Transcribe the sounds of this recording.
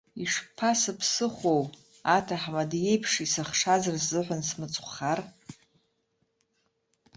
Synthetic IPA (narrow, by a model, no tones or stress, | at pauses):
iʂpʰasɨpʰsɨχʷow | atʰaħmadje̞jpʰʂisaχʂazarszɨħʷansmɨt͡sʼχʷχar